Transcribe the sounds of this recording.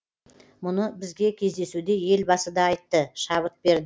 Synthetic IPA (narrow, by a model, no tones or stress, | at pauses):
mʊnəbɪzɡʲe̞kʲʰe̞zd̪e̞sud̪e̞je̞lbɑsəd̪ɑːjt̪ːəʃɑβət̪̚be̞ɾd̪ɪ